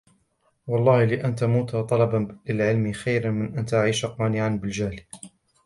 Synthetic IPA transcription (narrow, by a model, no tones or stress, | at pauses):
wɑlˤːɑːhlɪʔant̪amuːt̪hat̪ˤɑlɑbanlɪlʕɪlmɪxajɾanmɪnʔant̪aʔaʕiːʃaqɑːnɪʕanbɪld͡ʒahl